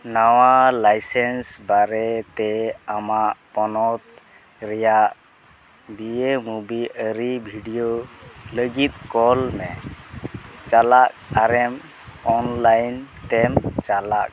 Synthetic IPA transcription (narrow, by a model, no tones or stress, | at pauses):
nawalajsɛnsbaɾɛt̪ɛamaʔpɔnɔt̪̚ | ɾɛjaʔ | biemubiʔəɾibʱiɖijoləɡit̪̚kɔlmɛ | t͡ʃalak̚aɾɛm | ɔnlajnt̪ɛmt͡ʃalak̚